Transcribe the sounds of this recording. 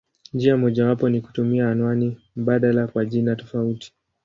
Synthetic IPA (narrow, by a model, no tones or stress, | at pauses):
nd͡ʒiamɔʄawapɔniku̥tumiaːnwanim̩ɓaɗalakwaʄinatɔ̥fauti̥